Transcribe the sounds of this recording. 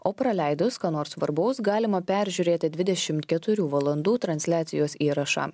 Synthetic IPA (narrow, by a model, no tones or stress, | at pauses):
oːpɾɐlʲɛɪd̪ʊskɑːnoːɾsʋɐ̰ɾbɐʊsɡɑːlʲɪmɐpʲæɾʲʒʲuːɾʲeːt̪ʲɪd̪ʲʋʲɪd̪ʲɛʃʲɪmt̪kʲɛt̪ʊɾʲuːʋɐlˠɐnd̪uːt̪ɾɐnʲsʲlʲæːt̪sʲɪ̰joːsʲiːɾɐʃɑ̰ː